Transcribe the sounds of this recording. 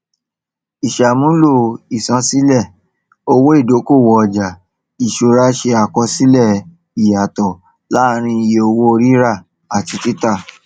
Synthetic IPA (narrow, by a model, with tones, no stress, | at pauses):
i˨ʃa˨mũ˨˦lo˦˨i˨sã˨˦si˦lɛ˦˨ | o˧wo˦i˦˨do˨˦ko˦˨wɔ˧ɔ˨d͡ʒa˨ | i˨ʃo˨ɾa˦ʃe˧a˧kɔ˧si˦lɛ˦˨ | i˨ja˨tɔ˨ | la˦˧ɾ̃ĩ˧i˧je˧o˧wo˦o˧ɾi˦ɾa˦˨ | a˨ti˨˧ti˦ta˦˨